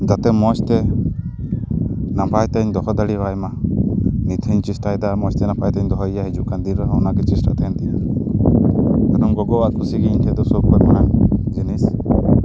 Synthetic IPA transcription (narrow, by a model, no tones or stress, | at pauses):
d͡ʒat̪ɛmɔst̪ɛ | napʰajt̪aɲd̪ɔɦɔd̪aɽibajma | nit̪ʰiɲt͡ʃisʈajd̪amɔst̪ɛnapʰajt̪ɛɲd̪ɔɦɔijaɦid͡ʒuʔkand̪iɾəɦɔ̃ɔnaɡɛt͡ʃisʈa̰t̪ɛɛnt̪ɛʔa | d̪ɔnumɡɔɡɔwaʔkʰusiɡiɲt̪ʰɛd̪ɔsɔb̚kɔɾmaɽ̃ad͡ʒinis